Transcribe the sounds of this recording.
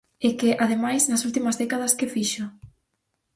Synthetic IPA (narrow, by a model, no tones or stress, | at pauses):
ɪkɪʔaðemajsnɐsult̪imɐzðɛkað̞ɐskɪfiʃo